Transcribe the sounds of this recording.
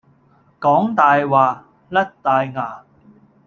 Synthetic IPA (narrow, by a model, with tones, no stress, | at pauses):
kɔː˨˥ŋt̪aː˨jwaː˨ | lɐ˥t̚t̪aː˨˧jŋaː˨˩